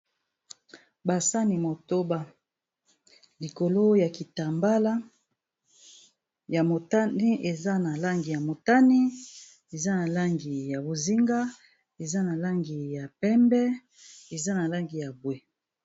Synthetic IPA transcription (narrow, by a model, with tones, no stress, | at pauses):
ba˨sa˦ni˨mo˨to˦ba˦ | li˨ko˨lo˦ja˨ki˨ta˨mba˦la˦ | ja˨mo˨ta˦ni˦e˨za˦na˨la˦ŋɡi˨ja˨mo˨ta˦ni˦ | e˨za˦na˨la˦ŋɡi˨ja˨bo˨zi˦ŋɡa˦ | e˨za˦na˨la˦ŋɡi˨ja˨pɛ˦mbɛ˦ | e˨za˦na˨la˦ŋɡi˨ja˨bwe˦